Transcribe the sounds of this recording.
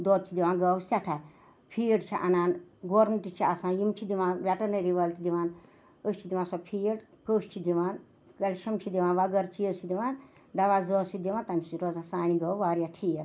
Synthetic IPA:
d̪ɔːt̪̚t͡ʃʰid̪iʋãːnɡɐwsaʈʰa | pʰijɖt͡ʃʰiʔɐnaːnɡoːɾmeɳʈit͡ʃʰiasãːnjimt͡ʃʰid̪iʋãːnʋʲaʈɐnɐɾiʋɐlt̪id̪iʋaːn | əst͡ʃʰid̪iʋãːnsɐpʰijɽ | kəst͡ʃʰid̪iʋaːn | kɐlʲʃɐmt͡ʃʰid̪iʋaːnʋɐɡɐɾt͡ʃʰijət͡ʃʰid̪iʋaːn | d̪ɐʋaːzɔːsʰid̪iʋaːnt̪ɐmisiɾoːzãsaːniɡɐwʋaːɾijaʈʰijəɾ

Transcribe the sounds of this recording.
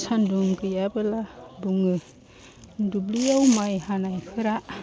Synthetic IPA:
sandumkɯjabɯlabuŋɯ | dublijawmajhanajpʰɯɾa

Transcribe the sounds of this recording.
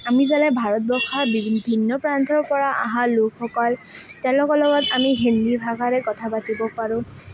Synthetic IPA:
amizalɛbʱaɹɔt̚bɔkʰabibʱinːɔpɹantʰɔɹpɔɹaʔa̰ɦalokxɔkɔltɛlɔkɔlɔɡɔtamiɦindibʱaɡaɹɛkɔtʰapatibɔpaɹʊ̃

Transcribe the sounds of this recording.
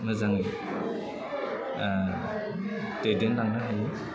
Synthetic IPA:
mazaŋi | tedendaŋnaɦaj

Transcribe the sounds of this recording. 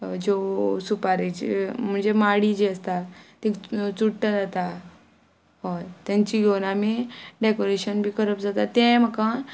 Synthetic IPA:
d͡ʑosupaɾed͡ʑm̤əɳd͡zemaɽid͡ʑiəst̪at̪ikt͡suʈʈəd͡zat̪a | ɦot̪jãɲt͡ɕiɡʱoɽamiɖekoɾeɕənbʱiːkəɾəpd͡zat̪at̪ẽm̤əkã

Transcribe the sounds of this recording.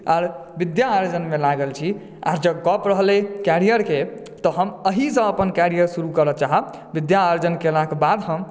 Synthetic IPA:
aɾbid̪jaːjd͡ʒənmelaɡəlt͡ʃʰi | a̰ɾd͡ʒəɡɔpɾəɦlɛkaɾijəɾke | t̪ɔɦəməɦisə̃əpənkaɾijəɾsuɾukəɾət͡ʃaɦə | bid̪jaːjod͡ʒənkelakebad̪ɦəm

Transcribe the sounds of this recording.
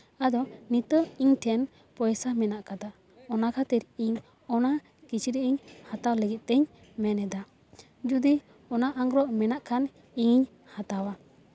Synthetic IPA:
ad̪ɔnit̪əiɲʈʰɛn | pɔjsamɛnaʔkad̪a | ɔnakʰat̪ɛɾiɲ | ɔna | kit͡ʃiɾiiɲhat̪awləɡit̪̚ˀt̪ɛɲmɛnɛd̪a | d͡ʒud̪i | ɔnaʔaŋɾɔʔmɛnaʔkʰan | iɲiɲ | hat̪awa

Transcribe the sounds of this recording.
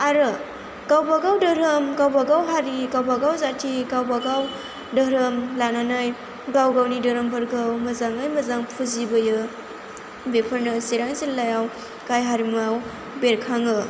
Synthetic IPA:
aɾɯ | ɡ̥awbaɡawdəɾɯmɡawbaɡawɦaɾiɡawbaɡawzatʰiɡawbaɡaw | dəɾɯmlananɯj | ɡawɡawnidəɾəmbʰɐɾɡawmɐzaŋɯjmɐzaŋpʰuzibɐjɯ | bepʰəɾnɯseɾaŋzillajaw | kajɦaɾimŋaw | beɾkʰaŋɯ

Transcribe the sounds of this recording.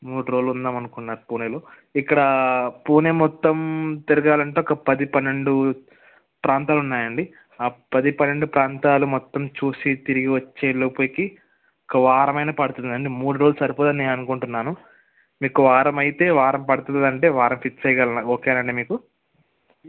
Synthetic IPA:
muːɽuɾoːlund̪aːmɐnukunːaːɾupuːneloː | ikːɐɽɐpuːneːmɔt̪ːɐmt̪iɾiɡaːlɐɳʈeɔkɐpɐd̪ipɐnːe̞ɳɖu | pɾaːnt̪aːlunːaːjɐɳɖi | aːpɐd̪ipɐnːe̞ɳɖupɾaːnt̪aːlumɔt̪ːɐmt͡ʃuːsit̪iɾiɡiʋɐt͡ʃːe̞ːlopoːjiki | ɔkɐʋaːɾɐmɐjnɐpɐɽut̪und̪ɐɳɖimuːɽuɾoːlsɐɾipod̪ɐnːeːnɐnukoɳʈunːaːnu | miːkuʋaːɾɐmɐjit̪e̞ːʋaːɾɐmpɐɽut̪und̪ɐɳʈe̞ːʋaːɾɐmpitt͡ʃɐjɡɐlɐnaoːkeːɐnɐɳɖimiːku

